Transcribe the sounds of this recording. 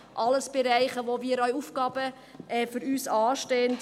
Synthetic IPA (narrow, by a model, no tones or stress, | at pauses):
ʔɑləsb̥eɾæɪχəʋoʋiːɾœʏufɡɑːbə | ɛfyɾyːsɑːʃteːnt